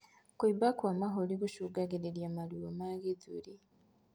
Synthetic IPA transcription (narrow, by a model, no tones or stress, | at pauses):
kibakwamaɦoliɡuʃuɡaɡeɾeɾjamaliomaɡed͡zuɾi